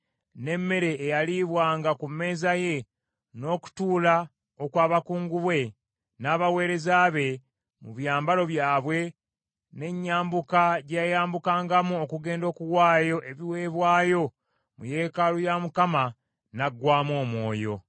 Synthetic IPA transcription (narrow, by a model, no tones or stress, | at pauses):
ne̞mːe̞ɾe̞ːjaliβwaːŋɡakumːe̞ːzaje̞ | no̞ːku̥tuːla | okwaːβakuːŋɡuβwe̞ | naːβawe̞ːɾe̞zaːβe̞ | muβjaːmbalo̞βjaːβwe̞ | ne̞ɲːaːmbukaɟejajaːmbukaːŋɡamuokuɡe̞ːndo̞ːkuwaːjo̞ʔe̞βiwe̞ːβwaːjo̞ | mṵje̞ːkalujamukama | naɡːwaːmo̞ːmwo̞ːjo̞